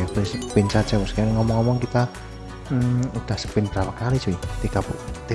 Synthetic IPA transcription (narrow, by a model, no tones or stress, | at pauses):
pɪspɪnt͡ʃad̥t͡ʃapɔskaanŋɔmɔŋɔmɔŋkit̪a | ud̪̥a̤hsə̥pɪnbəɾapakali̥d͡ʒoit̪ikapt̪i